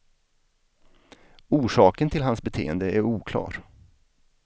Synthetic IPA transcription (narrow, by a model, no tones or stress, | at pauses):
uːʂɑːkənt̪ʰɪlɦansbɛt̪ʰeːə̰nd̪əæɾuːkʰlɑ̰ːɾ